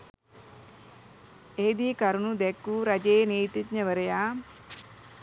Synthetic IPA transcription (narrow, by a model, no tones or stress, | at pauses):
eːd̪iːkɐɾunud̪ɛkːuɾɐd͡ʒeːneːjt̪it̪ɲɐʋəɾɐjaː